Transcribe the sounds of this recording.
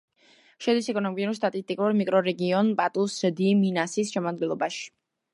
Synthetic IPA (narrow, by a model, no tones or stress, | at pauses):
ʃɛd̪isɛkʼɔnɔmiuɾst̪ʼat̪ʼist̪ʼikʼuɾmikʼɾɔɾɛɡiɔnpʼat̪ʼusd̪iminasisʃɛmad̪ɡɛnlˠɔbaʃi̥